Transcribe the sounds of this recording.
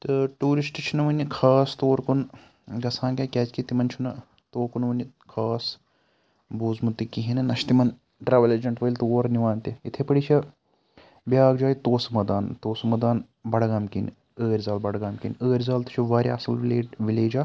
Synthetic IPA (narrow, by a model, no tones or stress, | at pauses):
t̪ɨʈuːɾisʈit͡ʃʰinɐʋɐnʲikʰaːst̪oːɾkun | ɡɐsʰãːnkʲɐkʲɛːt͡ʃkit̪imɐnt͡ʃʰunɐ | t̪oːɾkunʋɐni | kʰaːs | buːzmut̪ikiɦinɐnɐʃt̪imɐn | ʈɾɐʋɐled͡ʒɐɳʈʋɐlʲt̪oːɾniʋaːnt̪iit̪ʰepɐɽit͡ʃʰɐ | bʲjaːɡd͡ʒaːjt̪oːsmɐd̪aːnt̪oːsɐmɐd̪aːn | bɐɽɡaːmkḭn | əːɾʲzaːlbɐɽɡaːmkḭnəːɾʲzaːlt̪ɐ̥t͡ʃʰiʋaːɾʲiɐ̰sɐlleːʋileːd͡ʒaː